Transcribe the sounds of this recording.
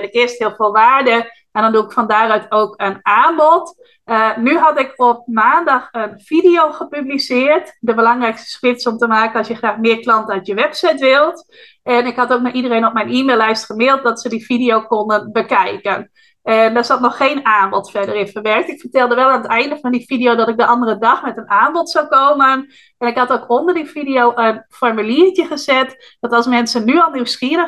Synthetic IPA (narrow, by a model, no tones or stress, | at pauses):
ɛnɪkɪəsthɪəlˠfoːlˠʋaːɹdə | ɛndɔnduɪkfɑndaːrœɥtʰoːkənaːnbɔt | ənyɦɑtɪkɔp̚maːndɑxənfidijowχəpyblisɪːrtdəbəlɑŋrɛjkstə̥skrɪsɔmtəmaːkənɑsjəxraːχmɪːɹklɑntəœɥtjəʋɛpsɛjtʋɪlˠt | ɛnɪkɦɑtoːk̚naʔidərejnɔp̚mɛjniːmeːlˠːɛjstχəmɪːlˠt̚dɑtsədifidijowkondənbəkɛjkən | ɛndɔsɔtnɔxːejnaːnbɔtfɛdərɪnfəʋɛrk̚tɪkfərtɛlˠdəʋɛlˠaːnətɛjndəfɑndifidijowdɔtɪk̚dəʔɑndərədɑxmɛtənaːnbɔtsawkoːmən | ɛnɪkhɑtoːkʰondərdifidiowʔənfɔɹmyliːtjəχəzɛt | dɔtɑlˠsmɛnsənːyɔlˠniwsxiərə